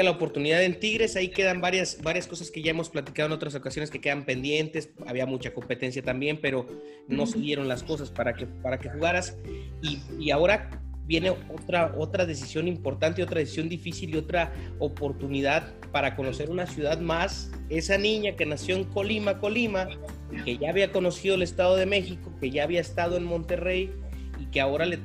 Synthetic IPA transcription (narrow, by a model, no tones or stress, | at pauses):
laopo̞ɾt̪uniðaðe̞nt̪iɣɾe̞saike̞ðambaɾjasbaɾjasko̞saske̞ʝae̞mo̞splat̪i̥kaðoeno̞t̪ɾas̬o̞kasjo̞ne̞ske̞ke̞ðampe̞nd̪je̞nt̪e̞sa̰βiamut͡ʃako̞mpe̞t̪e̞ns̬jat̪ambje̞mpe̞ɾo̞ | no̞se̞ðje̞ɾo̞nlasko̞saspaɾakepaɾake̞xuɣaɾasiːao̞ɾabje̞ne̞ot̪ɾaʔo̞t̪ɾaðe̞s̬isjo̞nimpo̞ɾt̪ant̪eo̞t̪ɾaðesi̥sjo̞nd̪ifisilio̞t̪ɾa | o̞po̞ɾt̪uniðað | paɾako̞no̞se̞ɾunasjuðaðmas | e̞sanĩɲake̞nasjo̞eŋko̞limako̞lima | ke̞ʝaːβiako̞no̞sið̞o̞ele̞st̪að̞o̞ð̞e̞me̞xiko̞ke̞ʝaːβiae̞st̪að̞o̞e̞nmõ̞nt̪e̞re̞j | ike̞ao̞ɾale